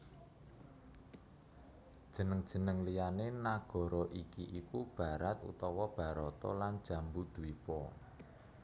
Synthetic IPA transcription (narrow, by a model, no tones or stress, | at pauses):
d̥ʒ̥ə̤nəŋd̥ʒ̥ə̤nəŋlijanenaɡ̥ɔ̤ɾɔʔikiʔikub̥a̤ɾat̪ṵt̪ɔwɔb̥a̤ɾɔt̪ɔ̰lan̥ʒ̥ä̤mbud̪̥uipɔ